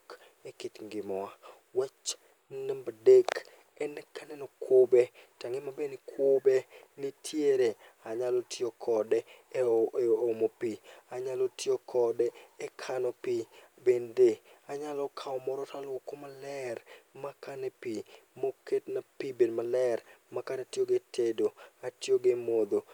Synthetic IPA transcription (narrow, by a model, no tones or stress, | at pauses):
k | ekɪtŋɡɪmɔwa | wɛt͡ʃ | nembadek | ɛnɛkʰanɛnɔkwobetaŋɪmabenikʰwobenitʰjeɾe | aɲalotiokʰɔdɛ | omopiaɲalotʰjokʰɔdɛːkʰanɔpibendeaɲalɔkʰaɔmɔɾɔtʰalokomalɛrmakanɛpimoketnapibedmalɛrmakanatjoɡetʰedoatjoɡemod̪o